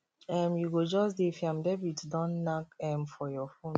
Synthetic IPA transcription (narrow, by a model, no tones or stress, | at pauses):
ɛmjuɡod͡ʒɔsdefiãmdɛbutdɔ̃nːakɛmfɔjɔfõn